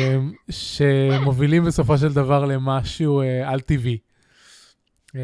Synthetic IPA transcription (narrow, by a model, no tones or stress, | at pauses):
mʃe̞mo̞vilimbeso̞fo̞ʃ̬e̞ld̪avaʁle̞maʃuealt̪ivi